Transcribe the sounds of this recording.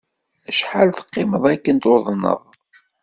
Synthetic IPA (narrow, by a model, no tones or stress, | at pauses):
əʃħalθə̥qːɪməðˤækːənt̪oðˤnːə̰ðˤ